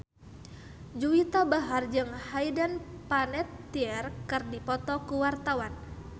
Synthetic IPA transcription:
d͡ʒuwit̪abaɦard͡ʒɨŋhaidanpanɛt̪ːiɛrkɨrdipɔt̪ɔkuwart̪awan

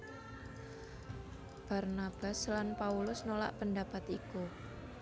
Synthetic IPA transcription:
b̥a̤rnab̥a̤slanpaulʊsnola̰ʔpəndapat̪iku

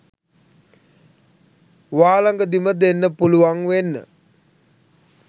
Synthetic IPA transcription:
ʋaːlaŋɡəd̪iməd̪enːəpuluʋaŋʋenːə̰

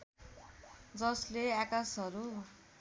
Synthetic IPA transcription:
d͡zʌsleakasʌɾu

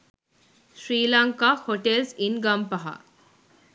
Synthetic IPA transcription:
ʃɾiːlɐŋkaːhoʈelsinɡɐmpɐɦa̰

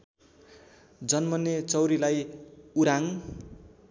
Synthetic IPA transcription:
d͡zʌnmʌnːet͡sʌwɾilajuɾaŋ

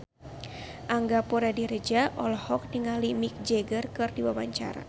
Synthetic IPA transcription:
ʔaŋɡapoɾadiɾəd͡ʒaʔɔlɔhɔk̚diŋalimik̚d͡ʒɛɡərkɨrdiwawaɲt͡ʃa̰ɾa̰

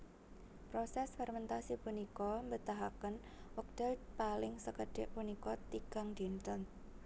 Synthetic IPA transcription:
pɾosɛsfɛrmɛnt̪asipunikɔmbət̪aɦakən | wək̚d̪̥ɛpalɪŋsəkəɖ̥ɪʔpunikɔt̪iɡ̥aŋdint̪ən

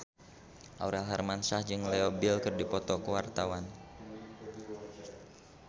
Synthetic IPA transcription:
ʔa̰wɾɛlɦɛrmansahd͡ʒɨŋleobɪlkɨrdipɔt̪ɔkəwart̪awan

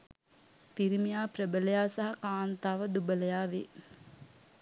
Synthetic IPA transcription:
t̪iɾimijaːprəbələjaːsaɦakaːnt̪aːʋəd̪ubələjaːʋe

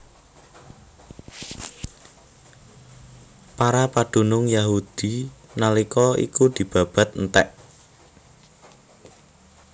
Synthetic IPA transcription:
paɾapad̪̥o̤nʊŋjaɦud̪̥i̤nalikɔḭkud̪̥i̤b̥a̤b̥a̤t̪̚nt̪ɛʔ

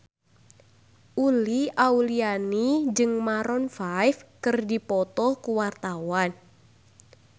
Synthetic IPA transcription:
ʔuliaulianid͡ʒɨŋmaɾɔnfajfkɨrdipɔt̪ɔhkuwart̪awan

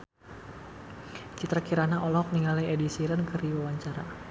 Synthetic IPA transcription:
t͡ʃit̪ɾakiɾanaʔɔlɔk̚niŋaliedisiɾənkəriwawaɲt͡ʃaɾa

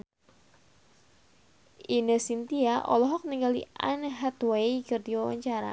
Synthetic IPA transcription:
ʔinəsint̪iaʔɔ̰lɔɦɔk̚niŋɡalḭʔa̰nɦat̪wajkɨrdiwawa̰ɲt͡ʃaɾa̰

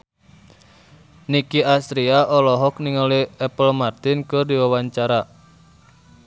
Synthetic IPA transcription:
nikiʔast̪ɾiaʔɔlɔɦɔk̚niŋaliɛpəlmart̪ɪnkɨrdiwawaɲt͡ʃaɾa

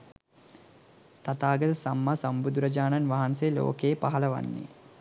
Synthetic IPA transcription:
t̪at̪aːɡət̪əsamːasɐmbud̪uɾɐd͡ʒaːnanʋaɦanselo̰ːkejːpaɦɐlɐʋa̰nːḭ

